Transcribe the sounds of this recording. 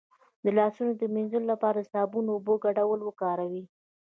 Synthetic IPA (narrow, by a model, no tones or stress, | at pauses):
d̪əlɑsunod̪əminzəlolapɑɾad̪əsɑbunoːboɡaɖawəlwəkɑɾawi